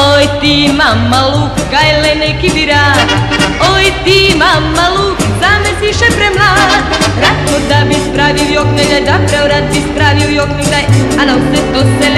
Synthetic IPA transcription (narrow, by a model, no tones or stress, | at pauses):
ojt̪imamːalukɡajlɛnɛkibiɾa | ojt̪imamːalukzamɛsiʃɛpɾɛmlaɾasmoɾd̪abispɾaʋiojokneɡ̪ajd̪apɾɛoɾat̪̚bispɾaʋiujokneɡd̪aj | anawsɛt̪osɛl